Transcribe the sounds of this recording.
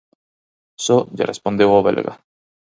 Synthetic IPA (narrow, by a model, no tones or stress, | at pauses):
soʎa̰respond̪ewaβḛlɣa̰